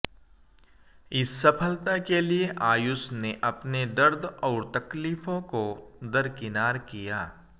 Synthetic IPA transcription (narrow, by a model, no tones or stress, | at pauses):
ɪsːɐpʰəlt̪akelieʔaːjʊsneʔɐpned̪ɐɾd̪ʱɔːɾt̪ɐkliːfõkod̪ɐɾkɪnaːɾkijaː